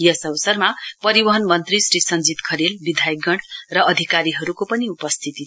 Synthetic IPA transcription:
jʌsʌbsʌrmapʌɾibʌɦʌnmʌnt̪risrisʌnd͡zit̪kʰʌɾelbid̪ʱajeɡʌɽ̃rʌʌd̪ʱikaɾiɦʌɾukopʌniupʌst̪ʰit̪i

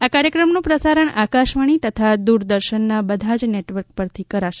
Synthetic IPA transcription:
akaɾjəkɾəmnũpɾəsaɾəɳakaʃʋəɳ̃it̪ət̪ʰad̪uɾd̪əɾʃənːabəd̪ʱad͡ʒneʈʋəɾk̚pəɾt̪ʰikəɾaʃe̥

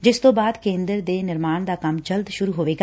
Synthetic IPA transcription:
d͡ʒɪst̪õːbaːd̪kẽːnd̪əɾd̪eːnɪɾmaːnd̪aːkəmd͡ʒəlt̪ʃʊɾuːɦoːʋeːɡaː

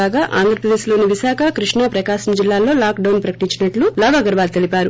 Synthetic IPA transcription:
aːɡaːʔa̰ːnd̪ʱɾɐpɾɐd̪e̞ːʃlo̞ːniʋiʃaːkʰɐkɾiʂɳɐpɾɐkaːʃɐmd͡ʒilːaːlo̞ːlaːkɖɐwnpɾɐkɐ̥ʈiɲt͡ʃinɐʈlulɔːʋaːɡɐɾʋaːlt̪e̞lipʲaːɾu

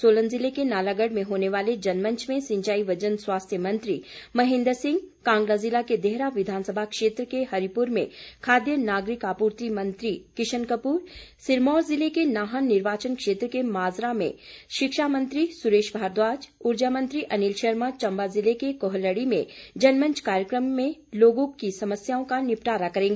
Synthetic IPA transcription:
soːlənzɪlekenaːlaɡəɽmẽɦoːneʋaːled͡ʒɐnmə̃ɲt͡ʃʰmẽsɪ̃ɲt͡ʃaːiʋɐd͡ʒənswaːst̪ʰjəmɐ̃nt̪ɾimɐɦɪ̃nd̪əɾsɪ̃ŋɡkãːŋɡlazɪlaked̪ɛɦɾaʋɪd̪ʱaːnsəbʱakʃeːt̪ɾəkeɦɐɾipuɾmẽkʰaːd̪jənaːɡɾɪkaːpuːɾt̪imɐ̃nt̪ɾikɪʃənkəpuːɾsɪɾmɔːɾzɪlekenaːɦənːɪɾʋaːt͡ʃənkʃeːt̪ɾəkemaːzɾamḛ̃ʃɪkʃaːmə̃nt̪ɾisʊɾeːʃbʱaːɾd̪waːd͡ʒʊɾd͡ʒamə̃nt̪ɾiʔɐnilʃɐɾmãt͡ʃɐ̃mbazɪlekekoɦəlːəɽimẽd͡ʒɐnmə̃ɲt͡ʃkaːɾjəkɾəmːẽloːɡõkisɐməsjaːõkanɪpʈaːɾakɐɾẽːŋɡeː

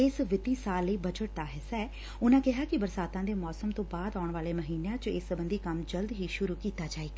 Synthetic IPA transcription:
ɪsʋɪt̪iːsaːlːəiːbəd͡ʒəʈ̚d̪aːɦɪsaː | ʊnãːkɪɦaːkɪbəɾsaːt̪ãːd̪eːmɔːsəmt̪õːbaːd̪aːʊɳʋaːleːməɦiːnejãːt͡ʃɪsəbənd̪iːkəmd͡ʒəld̪ɦiːʃʊɾuːkiːt̪aːd͡ʒaːeːɡaː

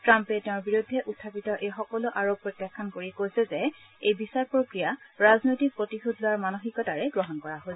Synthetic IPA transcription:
tɹampɛtɛʊ̃ɹbiɹudʱːɛʔutʰːapitɔʔejxɔkɔlʊʔaɹopːɹɔtjakʰːankoɹikojsɛzɛ | ejbisaɹpɹokɹijaɹaznojtik̚pɹotixudʱlʊwaɹmanoxikɔtaɹɛɡɹɔɦɔnkɔɹaɦosɛ

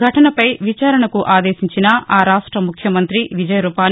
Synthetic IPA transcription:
ɐʈɐnɐpɐjʋit͡ʃaːɾɐɳɐkuʔaːd̪eːʃiɲt͡ʃinɐaːɾaːʂʈɾɐmukʰjɐmɐnt̪ɾiʋid͡ʒɐjɐɾupaːn

